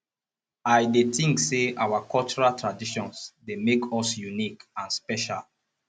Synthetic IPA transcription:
aɪdetĩŋkseʔawakʰɔlt͡ʃɔɹaltʰɹadiʃɔ̃nsdemekʰɔsjunikãnspɛʃa̰l

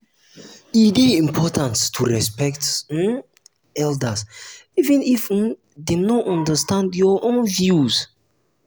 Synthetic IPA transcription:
ideĩmpʰɔtʰãnstʰuɹɛspɛkt | ɛldəsivĩnif | d̪ẽnɔɔ̃ndəstãndjɔʔõnvjuz

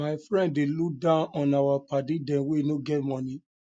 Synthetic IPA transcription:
aɪfɹɛ̃ndːeluk̚dãʊ̃nɔ̃nawapadĩdɛ̃nweinoɡɛt̚mɔ̃nĩ

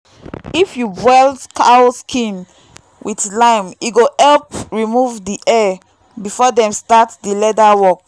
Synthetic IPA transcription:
ifjubwɛldkʰaoskʰĩn | wʔidlãɪ̃muɡohɛlpɹimuvdiʔɛ | bifɔdɛ̃mstatdilɛdawɔk̚

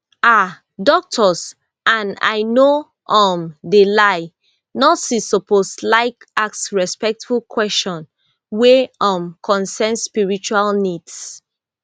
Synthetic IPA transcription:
a | dɔk̚tʰɔs | ʔãna̰ɪno | ʔɔmdelaɪ | nɔsisɔpʰoslaɪk | ak̚sɹɛspɛk̚tfulkʰwɛst͡ʃɔ̃n | weɔ̃mkʰɔ̃nsɛnspiɹit͡ʃualnids

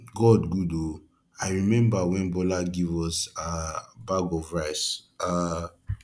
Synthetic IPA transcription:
ɡɔdɡudo | aɪɹimɛ̃mbawɛ̃nbɔlaɡivɔsabaɡɔvɹaɪsa

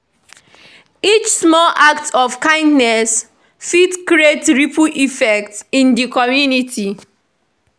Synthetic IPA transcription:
it͡ʃsmɔlʔak̚tɔfkãɪ̃ndnɛs | fitkɾietɹipuʔifɛk̚tsĩndikɔmjunitʰi

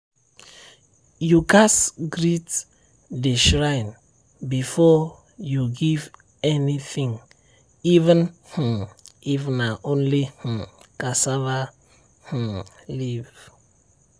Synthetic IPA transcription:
jukasɡɹit | diʃɹãjn | bifɔ | juɡiv | ɛniθĩŋ | ivə̃nh̩ivnaʔõnlih̩kasava | h̩liv̥

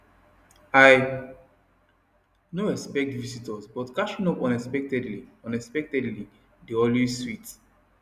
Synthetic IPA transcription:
aɪ | noɛkspɛk̚tvisitɔsbɔtkat͡ʃĩŋɔpɔ̃nɛspɛk̚tɛdliɔ̃nɛspɛk̚tɛdli | deɔlwezswit

